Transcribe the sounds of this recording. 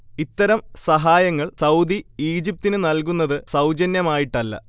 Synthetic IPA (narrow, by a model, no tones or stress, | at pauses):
it̪ːɐɾɐmsɐɦaːjɐŋːɐɭsɐwd̪iiːd͡ʑip̚t̪inɨnɐlkunːɐðɨsɐwd͡ʑɐnjɐmaːjiʈːɐlːɐ̰